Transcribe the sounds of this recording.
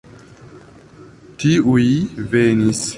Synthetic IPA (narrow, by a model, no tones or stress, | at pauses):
tiujvenis